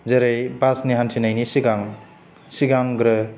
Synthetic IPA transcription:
zeɾejbasniɦantʰinajnisiɡaŋ | siɡaŋɡɾɯ

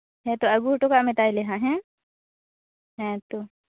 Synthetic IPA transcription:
ɦɛ̃t̪oɐɡuʈokamet̪aːileɦãɦɛ̃ | ɦɛ̃t̪o

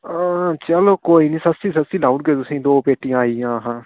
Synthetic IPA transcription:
ãt͡ʃəloːkoːiːnĩːsəst̪iːsəst̪iːlaːuʈ̚ɡeːt̪ʊsĩːd̪oːpeːʈːĩjãːaːiãːɦãː

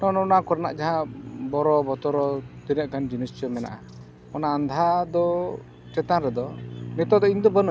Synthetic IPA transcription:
nɔnɔːnakɔɾana̰ʔd͡ʒaɦãbɔɾɔbɔt̪ɔɾɔt̪inəʔkand͡ʒinəst͡ʃɔmɛna̰ʔa | ɔnaːnd̪ʱad̪ɔ | t͡ʃɛt̪aɾɛd̪ɔnɛt̪ɔd̪ɔiɲd̪ɔbən

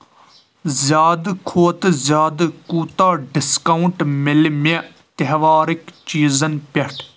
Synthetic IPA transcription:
zjaːd̪kʰoːt̪zjaːd̪kuːt̪aːɖɪskɐʊɳʈmɪlme | t̪eɦʋaːɾɪkt͡ʃiːzɐnpɐʈʰ

